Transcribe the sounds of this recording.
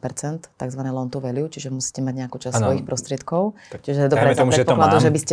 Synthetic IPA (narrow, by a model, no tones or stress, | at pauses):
pɛɾt͡sɛnt̪ːaɡzʋanɛlɔnt̪uʋɛliut͡ʃiʒɛmusi̥cɛmaɟɲɛakut͡ʃassɔjixpɾɔst̪ɾɪɛt̪kɔʊ | t͡ʃiʒɛd̪ɔɾɛɔɾɛɛpɔkladd̪uʒɛbiscɛ